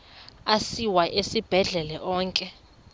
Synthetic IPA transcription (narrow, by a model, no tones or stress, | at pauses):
asiwaʔesib̥ʱɛɮɛlɛʔɔːŋkʼɛ